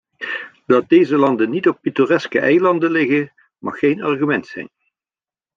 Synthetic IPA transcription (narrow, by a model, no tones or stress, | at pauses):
d̥ɑt̚dejzəlɑndənitɔp̚pitorɛskəʔɛjlɑndəlɪɣə | mɑ̰χːejnɑrɣymɛntsɛ̰jn